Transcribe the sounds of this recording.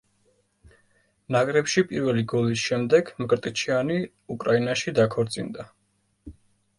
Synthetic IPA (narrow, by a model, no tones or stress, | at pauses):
nakʼɾɛpʃipʼiɾvɛliɡɔlisʃɛmd̪ɛɡmɡɾt̪ʼit͡ʃʰiani | ukʼɾainaʃid̪akʰɔɾt̪sʼḭnd̪a